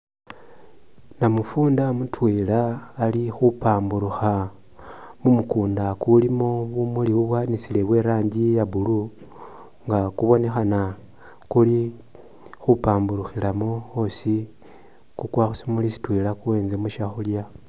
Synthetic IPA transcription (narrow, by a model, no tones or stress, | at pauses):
namufuːndamutwelaːlixupaːmbuɾuxa | mumukuːndakulimo̞βumuliβuβwaːnisile̞βwe̞ɾaːɲɟijaβulu | ŋɡakuβo̞ne̞xana | kuli | xupaːmbuɾuxilamoosi | kukwaxusimulisi̥twelakuwe̞ːnze̞muʃaxulja